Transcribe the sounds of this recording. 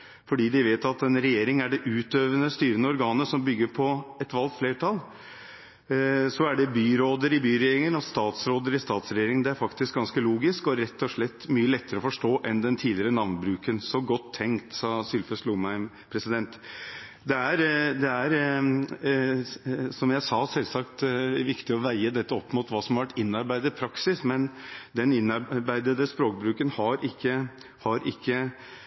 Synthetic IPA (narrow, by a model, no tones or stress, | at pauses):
fɔɖiːd̪ɪʋeːt̪ɑt̪ɛnɾɛjeːɾɪŋæɖɛʔʉːt̪øːʋənəst̪yːɾənəɔɾɡɑːnəsɔmbʏɡːəɾpʰɔɛt̪ʋɑlɡ̪fleːɾʈʰɑl | sɔæɖɛbyːɾoːd̪əɾɪbyːɾɛjeːɾɪŋənɔst̪ɑːt̪sɾoːd̪əɾɪst̪ɑːt̪sɾɛjeːɾɪŋd̪ɛæɾfɑkt̪ɪsk̚ɡɑnskəluːɡɪskɔɾɛt̪ːɔʂɭɛt̪ːmyːəlɛt̪ːəɾəɔfɔʂʈoːʔɛnd̪ɛnt̪ʰiːlɪəɾənɑʋnbɾʉːkənsɔɡɔt̪ʰːɛŋkt̪sɑːsʏlføsluːmæɪm | pʰɾɛsɪd̪ɛnt̪ | d̪ɛæɾd̪ɛæɾ | sɔmjæɪsɑːsɛlsɑkt̪ʋɪkt̪ɪɔʋæɪəd̪ɛt̪ːəɔpːmʊt̪ʋɑːsɔmhɑʋæʈɪnːɑɾbæɪd̪əpʰɾɑksɪsmɛnd̪ɛnɪnːɑɾbæɪd̪əd̪əspɾoːkbɾʉːkənhɑɾɪkːə | hɑɾɪkːə